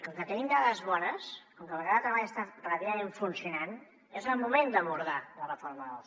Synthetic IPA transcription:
əŋkət̪ɛɣind̪aɣəzβɔnəskoŋkəβəɣɾaðət̪ɾəβaʎəst̪arrəβiəmeɱfunsiunan | ezəlˠmumend̪əβuɾðalərəfoɾməəlˠ

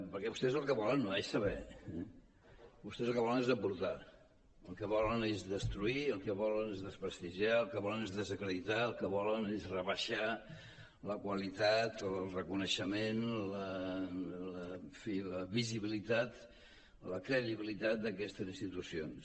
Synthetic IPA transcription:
pəɾkɛβust̪ɛzəlˠkəβɔlənːoesːəβɛ | bust̪ɛzəlˠkəβɔlˠənezəpuɾt̪a | əlˠkəβɔlənezðəst̪ɾuiəlˠkəβɔlənezðəspɾəst̪iʒiaəlˠkəβɔlənezðəzəkɾəðit̪aəlˠkəβɔlənezrəβəʃa | ləkwəlit̪at̪lˠrəkunəʃəmenlə | ləfiləβiziβilit̪at̪ | ləkɾəðiβilit̪at̪̚d̪əkɛst̪əzinst̪it̪usions

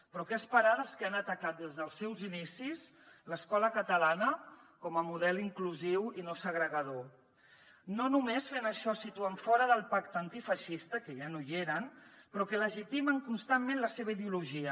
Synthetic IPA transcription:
pɾɔkɛəspəɾad̪əlˠskəanət̪əkat̪̚d̪ezðəlˠsːɛwzinisis | ləskɔləkət̪əlanəkɔməmuðɛliŋkluziwinosəɣɾəɣəðo | nonumesfenəʃɔsit̪uaɱfɔɾəðəlˠpakt̪ənt̪ifəʃist̪əkəʒanojeɾənpɾɔkələʒit̪iməŋkunst̪ammẽnləseβəiðeuluʒiə

